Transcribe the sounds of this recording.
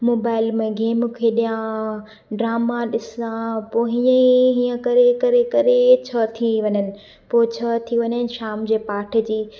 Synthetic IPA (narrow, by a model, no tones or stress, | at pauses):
moːbaːɪlmẽɡeːmkʰeɗijã | ɖɾaːmaɗɪsãpoɦɪ̃ɲeɦĩːə̃kɐɾekɐɾekɐɾet͡ɕʰɐt̪ʰiʋɐɲənɪ̆ | poːɪt͡ɕʰɐt̪ʰiʋɐɲənɪ̆ʃaːmd͡ʑeːpaːʈʰɪd͡ʑiː